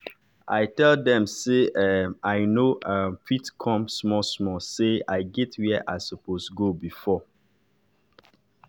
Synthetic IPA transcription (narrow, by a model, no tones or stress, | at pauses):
ʔaɪtɛldɛ̃mseʔɛaɪnoafitkʰɔ̃msmɔsmɔseaɪɡɛtʰwiʔa̰səpostɡobifɔ